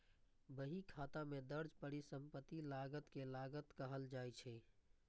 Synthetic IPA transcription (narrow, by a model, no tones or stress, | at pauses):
bəɦikʰat̪amed̪əɾd͡ʒpəɽisəmpət̪ːilaɡət̪kelaɡət̪kəɦəld͡ʒajt͡ʃʰɛ